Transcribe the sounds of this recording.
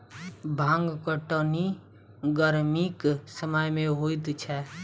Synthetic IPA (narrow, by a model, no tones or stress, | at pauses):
bʱãŋɡkəʈəni | ɡəɾmiksəməjmẽɦoit̪t͡ʃʰɛ